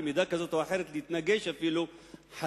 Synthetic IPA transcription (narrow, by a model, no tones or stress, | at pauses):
mid̪ækæzat̪waħeɾɪt̪lit̪næɡeʃafiːluħa